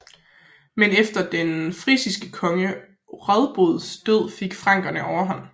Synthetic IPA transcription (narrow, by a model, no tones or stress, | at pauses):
menefd̥ɐd̥enfʁisisɡ̥əkʰɒ̽ŋə | ʁaðˠb̥o̝ðˠsd̥øð̞̰ˠfeɡ̥fʁɑ̈ŋ̰ɡ̥ɐnəʔɒʊɐɦɒn̰